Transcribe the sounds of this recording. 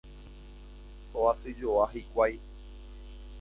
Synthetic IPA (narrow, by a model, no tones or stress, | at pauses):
oasɨd͡ʒoaɦikʷaj